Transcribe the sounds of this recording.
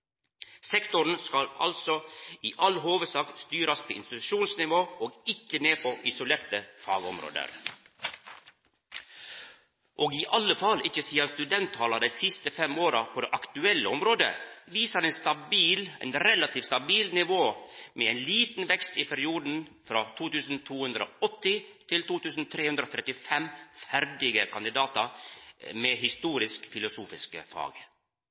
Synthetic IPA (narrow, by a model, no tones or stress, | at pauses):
sɛkt̪ʊɾɳ̩skɑlɑ̰lsɔiːʔɑlɦoːʋəsɑːkst̪yːɾɑspʰoːʔɪ̰nst̪ɪt̪ʉʃuːnsnɪʋoːoːɡɪkːəneːpʰɔʔɪsʊleːɾt̪əfɑ̰ːɡɔ̰mɾo̰ːd̪ə̰ɾ | ʔoːɡɪːʔɑlːəfɑlɪçəsiːɑst̪ʉd̪ɛnt̪ʰːɑːlɑɖ̪æɪsɪst̪əfɛmoːɾɑpʰɔd̪ɛːʔɑkt̪ʉɛlːə̰ɔmɾoːd̪ə̰ʋiːsəɾɛnst̪ɑbiːlɛ̰nɾɛlɑt̪ʰiːfst̪ɑbiːlnɪʋoːmeɛɪnliːt̪n̩ʋɛkst̪ɪpʰæɾɪuːd̪n̩fɾɑt̪ʰuːt̪ʉːsn̩t̪ʰuːhʉnd̪ɾəo̰ʔɔt̪ːɪt̪ʰɪlt̪uːt̪ʉːsn̩t̪ʰɾeːhʉnd̪ɾoːt̪ʰɾɛt̪ɪfɛmfæɾɖɪɡəkʰɑnd̪ɪd̪ɑːt̪ɑɾmeːhɪst̪uːɾɪskfɪlʊsuːfɪskə̰fɑ̰ːɡ